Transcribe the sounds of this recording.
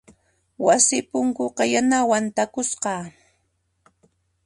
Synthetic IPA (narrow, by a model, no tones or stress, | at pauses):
wasɪpʊŋkʊqɑjanawant̪akʊsqɑː